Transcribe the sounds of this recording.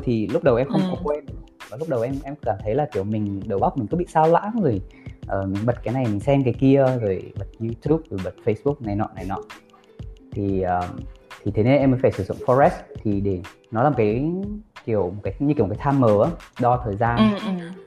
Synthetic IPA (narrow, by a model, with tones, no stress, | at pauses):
jt̪ʰi˨˩lʊ˦˥k͡p̚ɗə˨˩wʔɛ˧mxə˧wŋ͡mkɔ˨˦kwɛ˧nɗɨ˧˩˨vaː˨˩lʊ˦˥k͡p̚ɗə˨˩wʔɛ˧mʔɛ˧mkaː˧˩mt̪ʰə˨˦jlaː˨˩ki˧˩əwmï˨˩ŋ̟ɗə˨˩wɓa˦˥k͡p̚mi˨˩kɨ̰˧˥˦ɓḭ˧˨saː˧wla̰ː˧˥nzo˨˩jʔəː˨˩mï˨˩ŋ̟ɓə˨˩t̚kaː˨˦jna˨˩jmï˨˩ŋ̟sɛ˧mkaː˨˦jki˧əzo˨˩jɓə˨˩t̚ɲu˧t̪ʰu˦˥p̚zɨ˨˩jɓə˨˩t̚fə˧jsɓu˦˥k̚na˨˩jnɔ̰˧˨˦na˨˩jnɔ̰˧˨ | t̪ʰi˨˩əː˨˩t̪ʰi˨˩t̪ʰe˨˦ne˧nʔɛ˧mːəː˨˦jfaː˧˩jsɨ˧˩zʊ̰˧˨ŋ͡mfɔ˧zɛ˦˥st̪ʰi˨˩ɗe˧˩ | nɔ˨˦laː˨˩m˨˩kaː˨˦jki˧˩əwmo˨˩t̚kaː˨˦ɲɨ˧˩˨kːt̪ʰaː˧mːəː˨˦ɗɔ˧t̪ʰəː˨˩jzaː˧